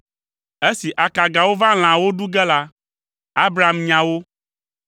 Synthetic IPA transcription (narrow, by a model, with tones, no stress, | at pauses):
e˦si˨ʔa˨ka˨ɡa˨wo˦vã˦l̃ã˨wo˦ɖu˦ɡɛ˦la˦ | a˦bɾa˨mɲã˨wo˦